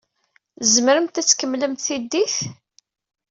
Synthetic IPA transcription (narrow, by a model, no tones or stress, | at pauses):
zməɾəmt̪æt͡sːkəmːləmt̪θid̪ːiθ